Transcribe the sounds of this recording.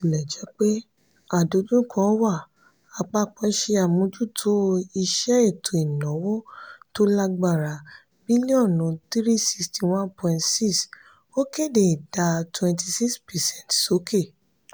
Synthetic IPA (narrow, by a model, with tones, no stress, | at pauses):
i˨lɛ˨d͡ʒɛ˨˦k͡pe˦ | a˦˨do˨˦dũ˦kʰɔ̃˧˦wa˦˨ | a˧k͡pa˦˨k͡pɛ̃˨˦ʃe˧a˨mũ˧˦d͡ʒu˦tʰo˦i˧ʃɛ˦e˦˨tʰo˨i˨nɔ̃˨˦wɔ˦to˦la˧ɡ͡ba˦˨ɾa˨ | bi˦li˦ɔ̃˦˨nũ˨˦t̪ɾi˦si̥˧ksti˨wã˦npɔ̃˧˨ĩ˨ntsi˦s | o˦ke˦˨de˨i˨da˧twɛ̃˧nti˧si˦kspɛ˨sɛ̃˦˨tso˨˦kʰe˦˨